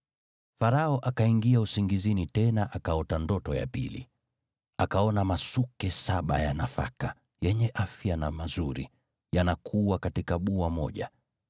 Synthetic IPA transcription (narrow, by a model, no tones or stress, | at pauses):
faɾaɔʔakaiŋɡiausiŋɡizinitɛnaʔakaɔtandɔtɔja̰pḭlḭ | akaɔnamasukɛsaɓajanafa̰ka | jɛɲɛʔafjanamazuɾḭ | janakʰuwakatikaɓuamɔ̰ʄa